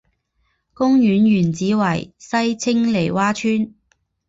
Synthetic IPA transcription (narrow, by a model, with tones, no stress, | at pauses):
kʊ˥ŋjyː˨˥njyː˨˩nt͡siː˨˥wɐ˨˩jsɐ˥jt͡sʰɪ˥ŋle˨˩jwaː˥t͡ʃʰyː˥n